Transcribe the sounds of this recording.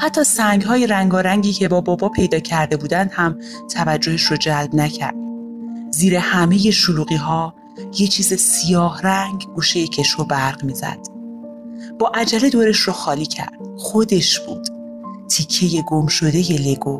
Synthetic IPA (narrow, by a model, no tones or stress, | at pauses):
hæt̪ʰːɒːsæŋɡɦɒːje̞ɾæŋɡɒːɾæŋɟiːcʰe̞bɒːbɒːbɒːpʰe̞jd̪ɒːcʰæɾd̪e̞buːd̪ænd̪hæm | t̪ʰævæd͡ʒːo̞he̞ʃɾod͡ʒælbnæcʰæ̰ɾd̪̥̚ | ziːɾe̞hæme̞je̞ʃoluːɣiːɦɒː | je̞t͡ʃʰiːzesijɒːhræŋɡɡuːʃe̞jecʰe̞ʃobæɾɣmiːzæ̰d̪̥ | b̥ɒːʔæd͡ʒæle̞d̪oːɾe̞ʃroxɒːliːcʰæ̰ɾd̪̥xod̪e̞ʃb̥ṵːd̪̥ | t̪ʰicʰːe̞je̞ɡo̞mʃo̞d̪e̞je̞le̞ɡo